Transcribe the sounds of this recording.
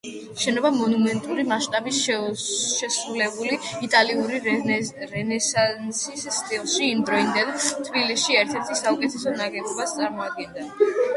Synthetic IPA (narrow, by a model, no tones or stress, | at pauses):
ʃɛnɔbamɔnumɛnt̪ʼuɾimaʃt̪ʼabis | ʃɛsɾulɛbuliit̪ʼaliuɾiɾɛnɛsansisːt̪ʼilˠʃiːmd̪ɾɔind̪ant̪ʰbilisʃiɛɾt̪ʰɛɾt̪ʰisaukʼɛt̪ʰɛsɔnaɡɛɡɔbast̪sʼaɾmɔad̪̚ɡɛnd̪a